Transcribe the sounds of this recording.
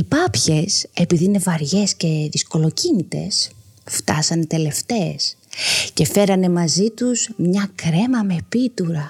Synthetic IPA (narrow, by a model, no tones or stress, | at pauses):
ipɐpçe̞se̞piðiine̞vɐɾʝe̞sce̞ðisko̞lo̞cinit̪e̞̰s | ft̪ɐsɐnt̪e̞le̞ft̪e̞ːsce̞fe̞ɾɐne̞mɐzit̪uzmɲɐkɾe̞mɐme̞pit̪uɾɐ